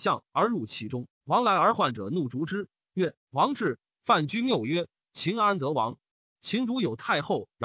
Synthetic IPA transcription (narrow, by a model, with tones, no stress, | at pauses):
ɕjɑ˥˩ŋə˞˧˥ɻu˥˩t͡ɕʰi˧˥ʈ͡ʂʊ˥ŋ | wɑ˧˥ŋla˧˥ɪə˞˧˥xwa˥˩nʈ͡ʂɤ̰˨˩nu˥˩ʈ͡ʂu˧˥ʈ͡ʂɻ̩˥ | ɥɛ˥˩ | wɑ˧˥ŋʈ͡ʂɻ̩˥˧ | fa˥˩nt͡ɕy˥nljo˥˩ʊɥɛ˥ | t͡ɕʰi˧˥ŋa˧˥t̪ɤ˧˥wɑ˧˥ŋ | t͡ɕʰi˧˥ŋt̪u˧˥jo˨˩ʊt̪ʰa˥˧ɪxo˥˩ʊɻ